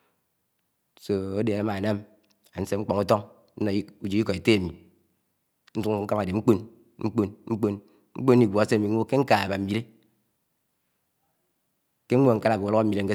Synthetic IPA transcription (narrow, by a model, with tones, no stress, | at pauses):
so˨o˦de˨na˦ma˨na˦m | a˨n̩˦se˦ŋ͡m̩˦k͡pɔ˨ŋu˦tɔ˦ŋ | n̩˦nɔ˨˦u˨d͡ʒi˨˦i˦kɔ˨i˨te˦a˨mi˨ | n̩˦su˦ŋ̩˦ka˦ma˨de˨ŋ͡m̩˦k͡po˦n | ŋ͡m̩˦k͡po˦nŋ͡m̩˦k͡po˦n | ŋ͡m̩˦k͡po˦n˦i˨ɡʷo˨a˨˦se˦a˨mi˨˦o˦ke˦ŋ̩˦ka˨a˨ba˨m̩˨mi˨ɾe˦ | ke˦ŋ̩˦ŋʷo˦˨ŋ̩˦ka˦la˨o˨˦lo˦˨mi˨ɾe˦ŋ̩˦e˦